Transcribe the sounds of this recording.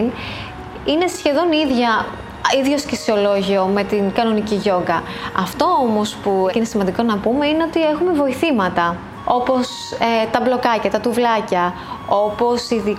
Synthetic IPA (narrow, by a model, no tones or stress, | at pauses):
n | ine̞sçe̞ðo̞niðʝɐ | iðʝo̞scisio̞lo̞ʝio̞me̞t̪inkɐno̞niciʝo̞ŋɡɐɐft̪o̞omo̞spuine̞simɐnd̪iko̞nɐpume̞ine̞ot̪ie̞xume̞vo̞iθimɐt̪ɐ | o̞po̞s | et̪ɐblo̞kɐcɐt̪ɐt̪uvlɐcɐ | o̞po̞siði